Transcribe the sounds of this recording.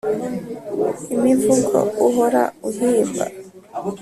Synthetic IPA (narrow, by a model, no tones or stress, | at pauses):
imivuɡɔ̰uɦoɾa̰uɦiːmba̰